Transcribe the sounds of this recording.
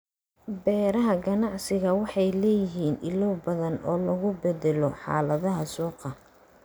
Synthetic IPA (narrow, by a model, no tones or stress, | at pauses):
bɛːɾɐɦɐɡɐnɑʕsɪɣɐwɑħɑjlɛːjɪɦiːnʔɪ̰lɔwbɐðɐnɔːlɐɣʊbɛd̪ɛlɔħɑ̰ːlɐðɐɦɐsɔːqɑ